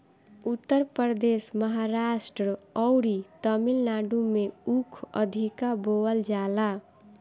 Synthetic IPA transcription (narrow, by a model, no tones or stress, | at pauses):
ut̪ːəɾpəɾd̪esməɦaɾasʈɾəɔwɾit̪əmilnaɖumeukʰə̰d̪ʱikaboəld͡ʒala